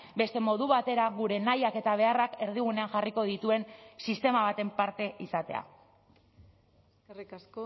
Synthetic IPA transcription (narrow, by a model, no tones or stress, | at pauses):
be̞st̪e̞mo̞ðuβat̪e̞ɾaɣuɾe̞najake̞t̪aβ̞e̞arake̞ɾð̞iɣ̞une̞aŋʝariko̞ð̞it̪ue̞nsist̪e̞maβat̪e̞mpaɾt̪e̞ʔisat̪e̞̰a̰ | arikasko